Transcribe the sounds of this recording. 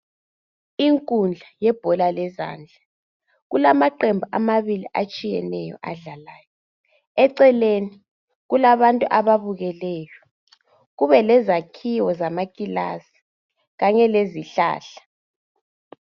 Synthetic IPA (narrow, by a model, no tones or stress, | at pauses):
iŋkʼund͡ɮʱajɛb̥ʱɔlalɛza̰ːnd͡ɮʱa | ɣulamaǃembʱuʔamaβiliʔat͡ʃʼijɛ̰nɛjɔ̰ʔaɮalaːjɔ | ɛǀɛleni | ɣulaβantʼuʔaβaβuɣɛlɛːjɔ | ɣuβɛlɛzakʰiwɔzamakʼila̰si̥ | ɣaɲɛleziɬa̰ːɬḁ